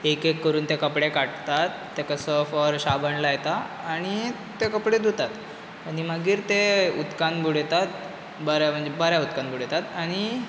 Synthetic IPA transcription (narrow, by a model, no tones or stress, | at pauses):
ekekːəɾuːnt̪ekəpɽekaʈt̪at̪ːekəsəfɔɾɕabəɳlajet̪aː | ɽ̃i | t̪ekəpɽed̪ut̪at̪ | animəɡiːɾt̪eut̪kanbʱuɽ̤et̪at̪ | bəɾjam̤əɳd͡zebəɾjaut̪kanbʱuɽ̤et̪at̪aɽ̃i